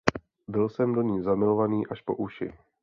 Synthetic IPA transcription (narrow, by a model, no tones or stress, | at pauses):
bɪlsɛmdo̞ɲiːzamɪlo̞vaniːʔaʃpo̞̰ʔuʃɪ̰